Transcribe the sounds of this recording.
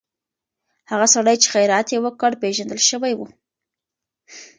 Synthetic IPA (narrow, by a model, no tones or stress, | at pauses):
haɣasaɽajt͡ʃe̥xajɾɑt̪jewəkəɽpeʒand̪əlʃəwajwu